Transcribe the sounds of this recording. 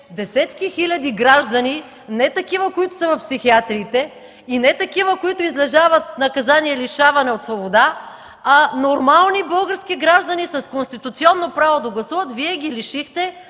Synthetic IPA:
d̪ɛsɛt̪kixilʲɐd̪iɡɾaʒd̪ɐni | nɛt̪ɐkivəkoit̪ʊ̥sɐvɐfpsixiat̪ɾiːt̪ɛ | inɛt̪ɐkivəkoit̪ʊizlɛʒavɐt̪̚nɐkɐzaniɛliʃavɐnɛot̪svobod̪a | anoɾmalˠnibɤlˠɡəɾskiɡɾaʒd̪ɐnisɐskonst̪it̪ʊt̪siɔnːopɾavod̪ɐɡlˠɐsuvət̪viɛɡ̟ʲiliʃixt̪ɛ

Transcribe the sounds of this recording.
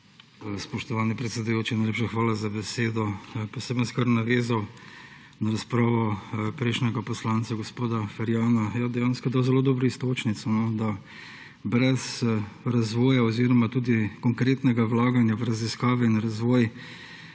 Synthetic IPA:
spɔʃt̪ɔʋaːnipɾɛt̪sɛd̪ujoːt͡ʃinajleːpʃaxʋaːlazabɛseːd̪ɔpɔseːbənskaɾnaʋeːzaw | naɾaspɾaːʋɔpɾɛɪʃnʲɛɡapɔslaːnt̪saɡospoːd̪afɛɾjaːnajad̪ɛjaːnskɔd̪aːwzɛloːd̪ɔːbɾɔist̪oːt͡ʃnit̪sɔnɔd̪a | bɾɛzɾazʋɔːjaɔziːɾɔmat̪uːd̪ikɔŋkɾeːt̪nɛɡawlaːɡanjaʋɾaziskaːʋɛinɾazʋɔːj

